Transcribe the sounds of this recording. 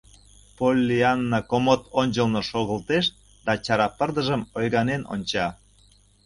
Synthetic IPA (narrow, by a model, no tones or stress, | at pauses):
polʲːiɑnːɑkomot̪ʰonʲt͡ɕəlnoʃoɣə̆lt̪eʃ | d̪̥ɑt͡ɕɑɾɑpərd̪əʒəmojɣɑneno̰nʲt͡ɕɑ